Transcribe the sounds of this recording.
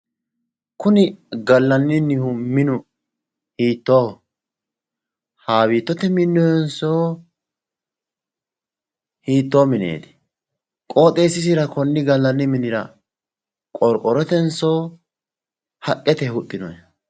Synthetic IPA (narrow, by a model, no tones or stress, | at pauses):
kʊnɪɡɐlːɐnːɪnːɪhʊmɪnʊ | hiːt̪ːoː | haːwiːt̪ːɔt̪ɛmɪnːɔjɛnsoː | hiːt̪ːoːmɪnḛːt̪ɪ̥ | kʼo̞ːt̪ʼeːsːɪs̬ɪɾɐkɔnːɪɡɐlːɐnːɪmɪnɪɾɐ̰ | kʼɔɾkʼːɔɾɔt̪ɛnsoː | hɐkʼːɛt̪ɛhʊt̪ʼːɪnɔj